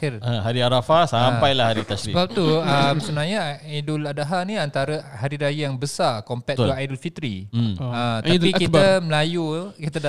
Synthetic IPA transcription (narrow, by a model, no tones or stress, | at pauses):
kəaɦaɾiaɾafasampajlahaɾit̪assɾiəbap̚t̪uəmsunaɲaajdʊladaɦanĩant̪aɾahaɾiɾajajaŋbəsakompɛt̪̚ajdulfit̪ɾiət̪aikitaməlajukit̪ada